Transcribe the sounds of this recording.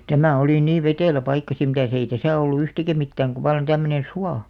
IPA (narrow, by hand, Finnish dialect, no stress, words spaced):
tæmæˑ oliˑ niːʋ̆ ʋeteˑlæ pɑikːɑ sim mitæs ei tæsæˑ olːu yhtikæ mitːæːŋ ku ʋɑlːɑn tæmːønen̞ suɑ